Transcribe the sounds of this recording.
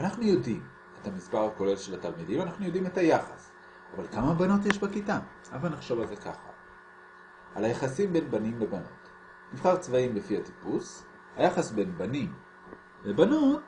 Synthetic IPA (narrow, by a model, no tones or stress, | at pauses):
anaχnujo̞dim | ethamisbaʁhako̞le̞lʃe̞latalmidimanaχnujo̞dimethajaχas | avalkamabano̞t̬jeʃbakita | ʔavalnaχʃo̞valze̞ka̰χa̰ | ʔalajaχasimbe̞nbanimlebano̞̰t | nivχaʁt͡svaimlefihati̥pus | hajaχasbe̞nbanim | lebanot